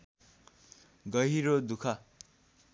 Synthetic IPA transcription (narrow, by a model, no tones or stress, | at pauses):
ɡʌɦiɾod̪ukʰa